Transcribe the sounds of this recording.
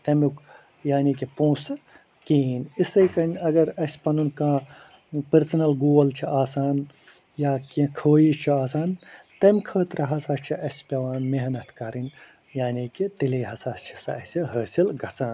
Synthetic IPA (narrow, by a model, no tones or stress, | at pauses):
t̪ɐmuk | jaːniːkipõːsɨ | kiːnisɐjkɐnʲɐɡɐɾɐsʲpɐnunkãː | pɐɾsɐnɐlɡoːlt͡ʃʰiʔaːsaːn | jaːkĩkʰoːiːt͡ʃʰiaːsaːnt̪ɐmʲkʰəːt̪ɾɐɦɐsaːt͡ʃʰiʔɐsʲpʲɐʋaːnmeɦnɐt̪kɐɾinʲ | jaːniːkit̪ileːɦɐsaːst͡ʃʰi̥sɐ̰ɐsʲiɦəːsilɡɐt͡sãːn